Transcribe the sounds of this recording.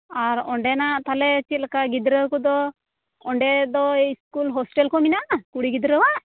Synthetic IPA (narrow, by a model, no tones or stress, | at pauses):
aɾɔɳɖɛnaʔt̪alɛt͡ʃit̪̚lakaɡid̪ɾəwkɔd̪ɔ | ɔɳɖɛd̪ɔiskulɦɔsʈɛlkɔminakuɽiɡid̪ɾəwaʔ